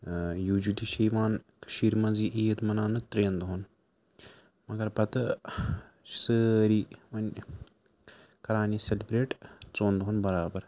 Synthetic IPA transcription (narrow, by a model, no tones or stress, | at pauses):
juːd͡ʒidiʃɐjʋaːnkə̥ʃiːɾmɐnziːʔiːt̪mɐnaːnɨt̪ɾẽːnd̪ɦon | mɐɡɐɾpɐt̪ɨ | səːɾiːʋɐnʲ | kɐɾaːniːselbɾeːʈt͡soːnd̪ɦonbɐɾaːbɐɾ